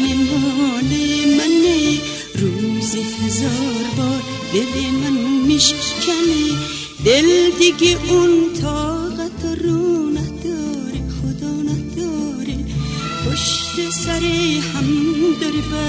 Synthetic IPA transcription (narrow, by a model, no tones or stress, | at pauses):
emɔlemane | ɾuzihazɔːɾbɔɾ | b̪elemanmiʃkkʰane | d̪eld̪iɡiʔʊnt̪ʰɔːʁat̪ʰɔɾunahd̪ɔːɾeχʊd̪ɔːnahd̪ɔ | ɾe | poʃt̪esaɾehamd̪oɾba